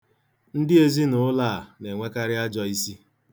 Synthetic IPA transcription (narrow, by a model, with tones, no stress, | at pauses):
n̩˦dɪ˦e˦zi˦nʊ˦ʊ˦laː˦˨ne˨ŋʷe˦ka˦ɾɪ˦a˦d͡ʒɔ˦i˦si˦